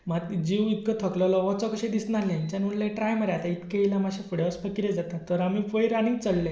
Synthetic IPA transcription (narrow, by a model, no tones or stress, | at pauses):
mat̪d͡ʑiʋit̪kət̪ʰəklɔlɔʋɔt͡sɔkəɕẽd̪isnaljaiɲt͡ɕanulləʈɾajmaɾjat̪ait̪keilamaɕefuɽəspəkiɾed͡zat̪at̪əɾamifəjɾanĩŋɡt͡səɽlɛ